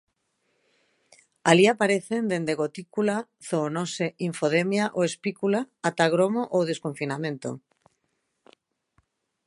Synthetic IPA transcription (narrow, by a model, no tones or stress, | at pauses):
aliapaɾeθend̪end̪eɣ̞ot̪ikula | θonoseiɱfoðemjaʔoespikulaːt̪aɣ̞ɾomoʔowðeskoɱfinamẽnt̪o̰